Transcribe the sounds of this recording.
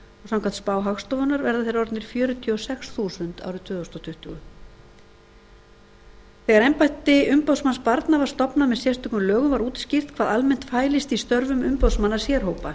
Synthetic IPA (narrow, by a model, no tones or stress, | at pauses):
ɔsãmkʰant̪spaːwɦaxst̪ɔvʏnaɾvɛɾðaθejɾɔɾt̪nɪɾ̥fjœːɾʏt̪ʰiɔsɛxsθuːsʏnt̪a̰wɾʏt̪ʰvʏːðost̪ɔt̪ʰʏht̪ʏɣʏ | θɛɣaɾɛjmpajht̪ɪʏmpowsmanspaɾt̪navaɾ̥st̪ɔpnamɛðsjɛst̪ʏk̪ʏmlœːɣʏmvaɾuːt̪ɪ̥scɪr̥t̪kʰvaːðalmɛn̥t̪faːjlɪst̪ist̪œɾvʏmʏmpowðsmanːasjɛːɾ̥ɦowpa